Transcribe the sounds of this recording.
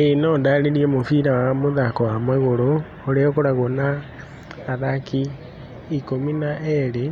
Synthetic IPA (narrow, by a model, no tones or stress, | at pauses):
enɔdaɾeɾiɛmofiɾawamoðakɔwamwɛɣoɾo | oɾeɔkoɾaɣonaː | ðaki | ikominaʔɛɾe